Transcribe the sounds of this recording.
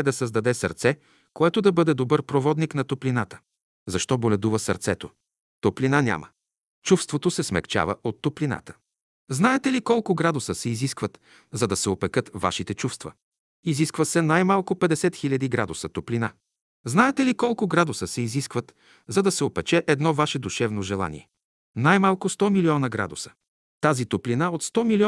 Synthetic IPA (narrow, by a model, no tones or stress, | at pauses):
ɛd̪ɐsəzd̪ɐd̪ɛsɐ̰ɾt̪sɛ | koɛt̪od̪ɐbɤd̪ɛd̪obɤɾpɾovɔd̪niknɐt̪oplinat̪ə̥ | zɐʃt̪ɔbolʲɛd̪uvəsɐ̰ɾt̪sɛt̪o | t̪oplinanʲa̰mʔə̰ | t͡ʃufst̪vot̪osɛsmɛ̰kt͡ʃa̰və̰ʔot̪ːoplina̰t̪ə̥ | znaɛt̪ɛlikɔlˠkʊɡɾad̪ʊsəsɛiziskvət̪ | zɐd̪ɐsɛopɛkɤt̪va̰ʃit̪ɛt͡ʃufst̪və̰ | iziskvəsɛnajmalˠkʊpɛd̪ɛsɛt̪xilʲɐd̪iɡɾad̪ʊsət̪oplina | znaɛt̪ɛlikɔlˠkʊɡɾad̪səsɛiziskvət̪ | zɐd̪ɐsɛopɛt͡ʃɛʔɛd̪nɔvaʃɛd̪uʃɛvnoʒɛlˠa̰nḭɛ | najmalˠkʊst̪ɔmiliɔnəɡɾa̰d̪ʊsə̥ | t̪azit̪oplinaot̪st̪ɔmili